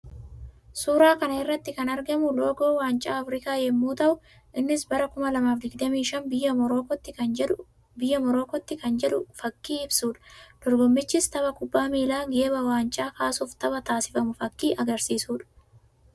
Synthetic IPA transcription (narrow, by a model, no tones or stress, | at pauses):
suːɾaːkɐnɐɪrːɐt̪ːɪkɐnɐɾɡɐmʊloːɡo̞ːwaːnt͡ʃʼaːɐfɾɪkaːjɛmːuːt̪ɐʔʊ | ʔɪnːɪsbɐɾɐkʊmɐlɐmaːfɡɪɡd̪ɐmiːʃɐnbɪjːɐɾoːkɔt̪ːɪ | bɪjːɐmɔɾo̞ːkɔt̪ːɪkɐnd͡ʒɛᶑʊfɐkːiːɪbsuːᶑɐ̥d̪̥ɔɾɡɔmːɪt͡ʃːɪst̪ɐβɐkʊbːaːmiːlaːɡe̞ːbɐwaːnt͡ʃʼaːkaːsuːft̪ɐbɐt̪aːsɪ̥fɐmʊfɐkːiːʔɐɡɐɾsiːsuːᶑɐ̥